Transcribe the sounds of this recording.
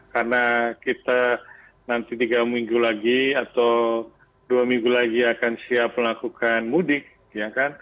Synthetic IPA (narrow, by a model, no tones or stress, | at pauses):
karnakit̪a | nant̪it̪iɡamiŋɡulaɡiat̪aw | duamiŋɡulaɡiakansiap̚məlakukʰanmudɪk̚ | jakan